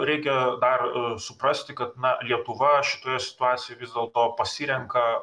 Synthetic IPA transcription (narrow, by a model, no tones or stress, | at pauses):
ɾʲɛɪkʲɛd̪ɐrsʊpɾɐsʲt̪ʲɪkɐt̪nɐlʲiɛt̪ʊʋɐʃʲɪ̥t̪oːjɛsʲɪ̥t̪ʊɑːt̪sʲɪjojʋʲɪzd̪ʲɛːlˠt̪oːpɐsʲiːɾʲɛŋkɐ